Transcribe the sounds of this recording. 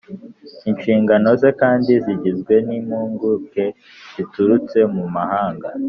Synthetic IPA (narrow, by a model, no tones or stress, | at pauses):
inʃiːŋɡano̞ze̞kaːndiziɟizɡwe̞nimuːŋɡuːke̞ | zituɾut͡se̞mumahaːŋɡa